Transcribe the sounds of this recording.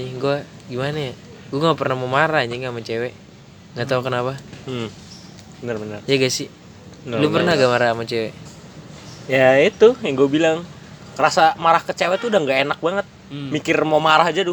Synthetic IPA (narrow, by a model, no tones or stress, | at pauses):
ɲiɡua | ɡimanaja | ɡuaŋɡapərnamomaɾahɲiŋɡamat͡ʃewɛ | ŋɡat̪aukənapa | bənərbənərjaɡasi | lupərnahɡamaɾamat͡ʃewɛ | jait̪ujaŋɡuabilaŋ | kəɾasamaɾahkət͡ʃewɛt̪uːdaŋɡaenak̚baŋət̪̚ | mikɪrmomaɾahd͡ʒadʊ